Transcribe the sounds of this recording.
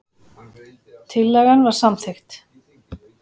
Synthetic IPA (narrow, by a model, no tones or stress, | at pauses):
t̪ʰɪlːɛɣanvaɾ̥samθext̪